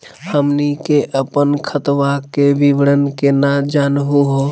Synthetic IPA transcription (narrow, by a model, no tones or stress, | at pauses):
həmnikeʔəpənkʰət̪ʋakebiʋəɽənkenad͡ʒanɦuɦo